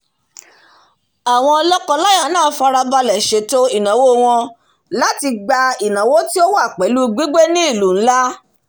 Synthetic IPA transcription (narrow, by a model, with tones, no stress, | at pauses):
a˨w̃ɔ̃˧ɔ˧lɔ˦kɔ˧la˦ja˦˨nãː˦˨˦fa˧ɾa˧ba˧lɛ˨ʃe˨˦to˦i˨nã˨wo˦˧w̃ɔ̃˧ | la˦ti˧ɡ͡ba˧i˨nã˨wo˦ti˦o˦wa˦˨k͡pɛ˨˦lu˦ɡ͡bi˦ɡ͡be˦nĩ˦i˦˨lu˨˦˨n̩˦la˦